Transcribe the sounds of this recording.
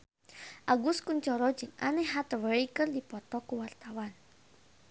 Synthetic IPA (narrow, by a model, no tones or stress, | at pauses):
ʔaɡuskuɲt͡ʃɔɾɔd͡ʒɨŋa̰nɛɦat̪əwəɾikɨrdipɔt̪ɔkuwart̪awan